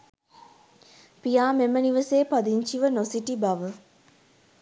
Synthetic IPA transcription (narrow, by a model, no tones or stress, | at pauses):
pijaːmeməniʋəseːpad̪iɲt͡ʃiʋənosiʈibaʋə